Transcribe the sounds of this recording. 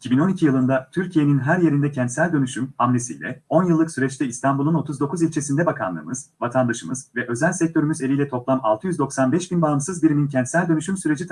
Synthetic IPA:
icʰibino̞nicʰijɯlˠɯnd̪at̪ʰyɾcʰije̞ninɦæɾje̞ɾind̪ɛcʰɛnt̪sælʲd̪ø̞nyʃymamlʲesḭjlʲɛ̰o̞njɯlˠːɯksyɾɛt͡ʃt̪ɛist̪ʰanbulˠuno̞t̪ʰuzd̪o̞kʰuzilʲt͡ʃʰe̞sind̪ɛbakʰa̰nlˠɯ̰ːmɯz̥vat̪ʰand̪aʃɯmɯz̥vɛʔø̞zɛlʲsɛc̚t̪ʰø̞ɾymyze̞lʲijlʲɛt̪ʰo̞plˠama̰lˠt̪ʰɯjyzd̪o̞ksanbɛʃbinbaːɯmsɯzbiɾimincʰɛnt̪sælʲd̪ø̞nyʃymsyɾe̞d͡ʒi

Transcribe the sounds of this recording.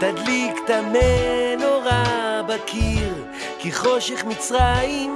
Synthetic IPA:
t̪ad̪likt̪amenoʁabakʰiʁ | kiχo̞ʃeχmit͡sʁaim

